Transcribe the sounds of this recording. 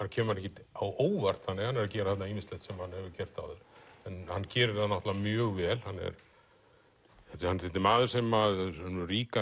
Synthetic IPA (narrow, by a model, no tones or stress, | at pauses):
hancʰɛːmɾɛhcɪawoːwvar̥t̪hanːɪhanːɛɾacɛːɾaθɛht̪naiːnɪst̪lɛht̪sɛmhanhɛvɪcɛr̥t̪a̰ðʏɾ̥ɛnhanːcɛːɾɪɾ̥anːaht̪lavamjœːɣvɛːlhanːɛ̰ɾ | ɛt̪hanːɾɪt̪ɪmaːðɪ̥sɛmanʏriːka